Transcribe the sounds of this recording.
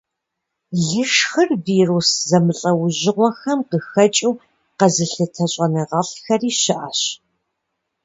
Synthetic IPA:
ɮɨʂxɨrviːruːszɐmɨɬʼɐwʊʑɪʁʷɔxɐmqəxɐt͡ʃʼiw | qɐzɨɬɨtʰɐɕʼɐnɐʁɐɬxɐriːɕɪʔaɕ

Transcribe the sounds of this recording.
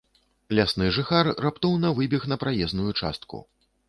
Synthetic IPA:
lʲasnɨʐɨxarrapt̪ɔwnɐvɨbʲixnɐpɾajɛznujut͡ʂa̰st̪̚kṵ

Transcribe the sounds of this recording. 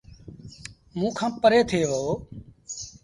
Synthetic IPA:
mũːkʰãːpəɾeːt̪ʰeːʋoː

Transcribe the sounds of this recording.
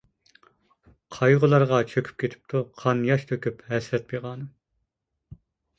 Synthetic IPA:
qʰɑjʁʊlˠɑɾʁɑt͡ʃʰøkʲʰy̥p̚kʲʰet̪ʰɪ̥p̚t̪ʰuqʰɑnjɑʃt̪ʰøkʲyphɛsɾɛt̪̚beʁɑːnɨm

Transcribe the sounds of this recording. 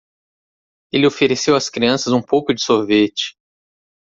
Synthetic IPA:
elɪofeɾesewɐskɾiɐ̃sɐzũpowkʊd͡ʒɪsoɾvet͡ʃɪ̥

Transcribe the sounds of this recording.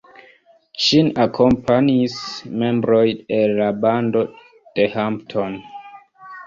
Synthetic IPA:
ʃinakʰompʰanismẽmbɾojenlabando | d̥ehamptʰon

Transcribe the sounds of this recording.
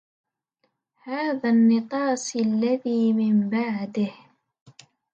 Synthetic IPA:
haːðaːnːɪqɑːsalːaðiːmɪmbaʕd̪ɪh

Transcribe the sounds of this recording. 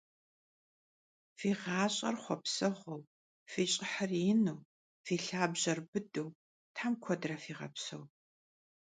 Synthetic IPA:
fiːʁɑːɕʼɐ̰rχʷɔpsɐʁʷɔw | fiːɕʼɪħərjɪnuː | fiːɬaːbʑɐrbɨdɨw | tʰħamkʷʰɔdrɐfiːʁɐ̰psɐ̰w

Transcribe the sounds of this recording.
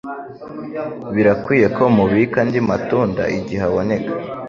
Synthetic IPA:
βiɾakwiːje̞ko̞muβikandimatuːnda̰ʔiɟihaβo̞ne̞kḁ

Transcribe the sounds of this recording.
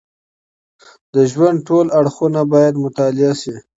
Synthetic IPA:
d̪əʒwand̪̚ʈolaɽxunabɑjad̪mʊt̪ɑlɪaʃi

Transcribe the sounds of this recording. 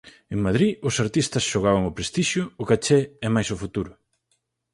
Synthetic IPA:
eŋmaðɾiʊsaɾt̪ist̪ɐsʃoɣ̞aβaŋʊpɾest̪iʃjʊːkat͡ʃɛɛmajsʊfut̪uɾʊ

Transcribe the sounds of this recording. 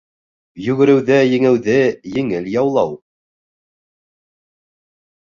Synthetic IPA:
jʉɡɘ̆ɾɘ̆wðɘjɘ̆ŋɘ̆wðɘjɘ̆ŋɘljɑwlˠɑw

